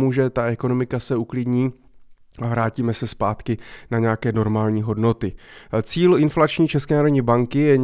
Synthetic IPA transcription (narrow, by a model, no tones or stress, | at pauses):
muʒɛt̪aʔɛko̞no̞mɪkasɛuklɪdɲiː | avɾaːciːmɛsɛspaːt̪kɪnaɲɛjakɛːno̞ɾmaːlɲiːɦo̞dno̞t̪ɪt͡siːlɪnflat͡ʃɲiːt͡ʃɛskɛːnaːɾodɲiːbaŋkɪjɛɲ